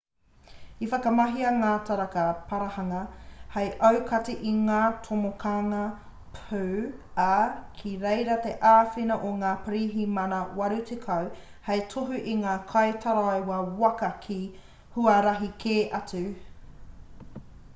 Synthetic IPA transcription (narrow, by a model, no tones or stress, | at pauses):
ifɐkɐmɐɦiɐŋaːtʰaɾɐkɐpʰɐɾɐhɐŋɐhejʔɐwkʰɐtiʔiŋaːtʰomokʰaːŋɐ | pʰʉɐkʰiɾejɾɐt̪e̞ʔaːfinɐʔoŋaːpəɾiːɦimɐnɐwɐɾutʰekʰɐw | hejtʰoɦʉʔiŋaːkʰɐjtʰɐɾajwɐwɐkɐkʰi | huɐɾɐɦikʰeːʔɐt͡sʉ